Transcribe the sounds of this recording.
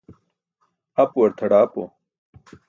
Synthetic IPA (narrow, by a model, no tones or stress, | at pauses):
ɐpwɐɾt̪ʰɐɽaːpo̰